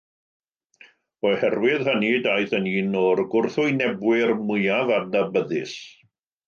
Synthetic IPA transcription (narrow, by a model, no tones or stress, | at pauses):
ɔhɛrwɪðhəniːdajθəniːnɔrɡʊrθʊjnɛbwɪrmʊjavanabəðɪ̰s